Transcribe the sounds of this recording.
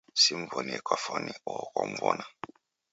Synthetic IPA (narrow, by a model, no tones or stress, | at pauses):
sim̩vɔniɛkwafɔniɔkɔmvɔna